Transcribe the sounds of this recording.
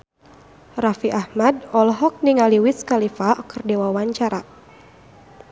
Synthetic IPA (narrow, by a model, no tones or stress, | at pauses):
rafiʔahmadɔlɦɔk̚niŋaliwiskalifaʔkɨrdɛwawaɲt͡ʃaɾa